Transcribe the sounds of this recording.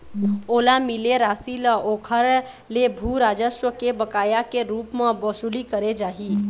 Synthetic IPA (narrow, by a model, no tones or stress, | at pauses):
olamileɾasiləokʰəɾ | lebʱuɾad͡ʒəʃwəkebəkajakeɾupmẽbəsulikəɾed͡ʒaːɦi